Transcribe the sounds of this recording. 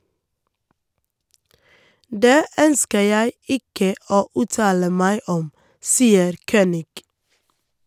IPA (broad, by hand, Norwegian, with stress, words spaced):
ˈdeː ˈœnskə ˈjæɪ ˈɪkə ˈoː ˈʉːtɑːlə ˈmæɪ ˈɔm ˈsiːəɾ ˈçøːnɪɡ